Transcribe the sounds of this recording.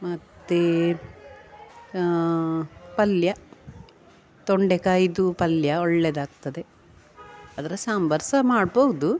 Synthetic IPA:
mɐt̪ːe | pɐljɐ | t̪oɳɖekaːjd̪upɐljɐɔɭːed̪aːɡ̚t̪ɐd̪e̞ | ɐd̪ɐɾɐsambɐɾsɐmaːɖboʋud̪u

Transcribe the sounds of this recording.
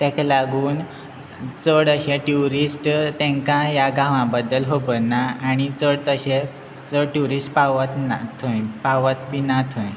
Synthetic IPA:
t̪ɛ̃klaɡuːn | t͡səɽəɕẽʈjuɾisʈt̪ɛ̃ŋkãjaɡãʋãbəd̪ːəlɦobənːaaɽ̃it͡səɽt̪əɕẽ | t͡səɽʈjuɾisʈpaʋat̪nat̪ʰojpaʋət̪pinat̪ʰə̃j

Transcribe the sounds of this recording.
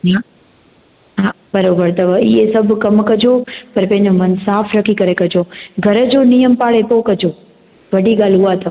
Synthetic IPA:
ɦa | ɦã | bəɾoːbəɾt̪ɐʋəiesəbʱkəmkəd͡ʒopəɾpẽːɲəmənsaːpʰɾəkʰikəɾekəd͡ʒoɡʱəɾəd͡ʒonijəmpaːɭepoːkəd͡ʒoː | ʋəɖiɡaːlɦuʋat̪ɐʋ

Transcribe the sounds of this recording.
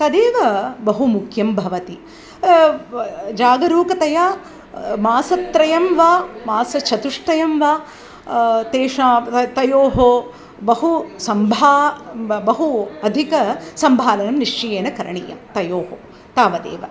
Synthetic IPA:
t̪ɐd̪eːʋɐbɐɦumukʰjɐmbʱɐʋɐt̪i | d͡ʒaːɡɐɾuːkɐt̪ɐjaː | maːsɐt̪ɾɐjɐmʋaːmaːsɐt͡ʃʰɐt̪uʂʈɐjɐmʋaː | t̪eːʂaːɐt̪ɐjoːɦo | bɐɦusɐmbʱaːbɐɦuɐd̪ʱikɐsɐmbʱaːlɐnɐmniʂt͡ʃijeːnɐkɐɾɐɳḭːjɐ̰mt̪ɐjoːɦo | t̪aːʋɐd̪ḛːʋɐ̰

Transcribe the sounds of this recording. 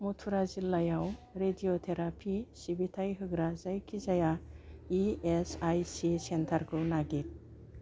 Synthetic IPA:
mutʰuɾazilːajawɾedijotʰeɾapʰisibitʰajɦɯɡɾazajkʰizajaiesajsisentʰaɾkʰɯnaɡit̚

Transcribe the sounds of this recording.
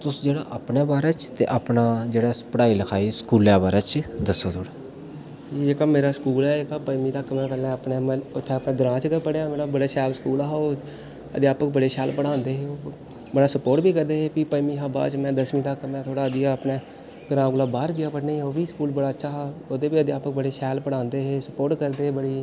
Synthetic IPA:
t̪ʊsd͡ʒeːɽaːʔəpnaːbaːɾɛːt͡ʃt̪ḛːʔapnaːd͡ʒeːɽaːpəɽaːiːləkʰaːiːsə̥kuːlɛːbaːɾaːt͡ʃd̪əsːoːt̪ʰoːɽaː | iekaːmeːɾaːskuːlɛːkaːpəjmĩːt̪aːkəmɛ̃ːpɛːlɛ̃ːəpnẽːmːʊt̪ʰːeːəpnẽːɡəɾãːt͡ʃkəpəɽeaːmeːɾaːbəɽaːʃɛːlskuːlaːɦo | ə̰d̪jaːpək̚bəɽeːʃɛːlpəɽãːnd̪eːɦeːoː | bəɽaːsəpoːɾʈbiːkəɾd̪eːɦeːpiːpəmiːɦaːba̰ːt͡ʃmɛ̃ːd̪əsmĩːd̪aːkəmãːt̪ʰoːɽaːəd̪ɪjaəpneː | ɡəɾãːɡʊlaːbaːɾɡɪjaːpəɾnẽːoːbiːskuːlbəɽaːətːʃʰaːɦaːod̪eːbiːəd̪ɪjaːpək̚bəɽeːʃɛːlpəɽãːnd̪eːɦeːsəpoːɾʈkəɾd̪eːbəɽiː

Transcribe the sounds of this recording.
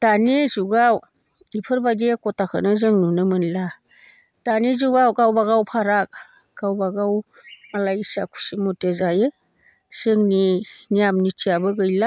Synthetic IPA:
d̥anizuɡaw | ipʰɯɾbadekɔtakʰɯ̰nɯzɯŋnunɯmɯnla | d̥anizuɡawɡawbaɡawpʰaɾak̚ | ɡ̥awbaɡaw | malajisa̰kʰu̥simɔtezajɯ | z̥ɯŋninijamnitʰiabɯɡɯjla

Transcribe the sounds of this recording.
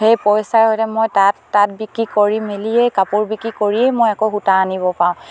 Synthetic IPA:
xejpɔjsaɹɦojtɛmojtatːat̚bikɹikoɹimelijejkapuɹbikɹikoɹiejmojɛkoxutaːniβɔpaʊ̃

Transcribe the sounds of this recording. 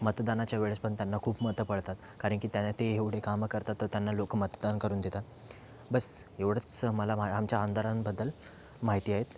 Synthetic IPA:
mət̪d̪anat͡ɕjaʋeɭəspəɳt̪janːakʰuːbmət̪əpəɭt̪at̪ | kaɾəɳkiːt̪janat̪eeʋɽ̤ekamkəɾt̪at̪ːəɾt̪janːalokmət̪d̪ankəɾuːnd̪et̪at̪ | bəseʋɽ̤ət͡sməlamaamt͡ɕjaːnd̪ʱaɾanbəd̪ːəl | maɦit̪iːaɦet̪

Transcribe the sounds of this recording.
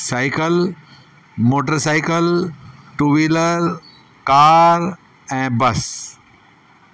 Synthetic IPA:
saːɪkəl | moːʈ̬əɾsaːɪkəlʈuːʋiːləɾ | kaːɾ | ɛ̃ːbɐs

